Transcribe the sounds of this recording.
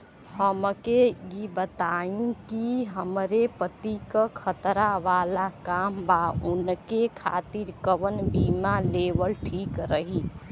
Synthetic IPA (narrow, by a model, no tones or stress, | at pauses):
həmkejibət̪aĩkiɦəmɾepət̪ikəkʰət̪ɾaʋaːlakaːmbaunkekʰa̰ːt̪iɾkəʋənbimalebəlʈʰiːkɾəɦi